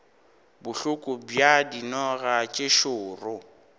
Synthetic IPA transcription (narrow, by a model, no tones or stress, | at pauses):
bʊɬʊkʼʊbjadinɔɣat͡ʃʼeʃʊːrʊ